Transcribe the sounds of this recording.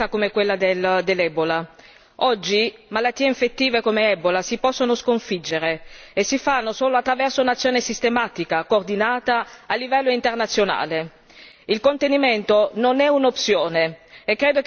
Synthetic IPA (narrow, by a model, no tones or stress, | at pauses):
akomekwelːad̪eld̪elːɛbola | ɔd͡ʒːimalat̪ːiːeiɱfet̪ːiːvekomeɛbolasipɔsːonoskoɱfid͡ʒːeɾeesːifanːosoːloat̪ːɾavɛrsounat̪sːjoːnesist̪emaːt̪ikakoːrd̪inaːt̪aːlːivɛlːoint̪ernat̪sːjona̰ːle | ilkont̪eniment̪ononɛunopsjoːneekːɾeːd̪o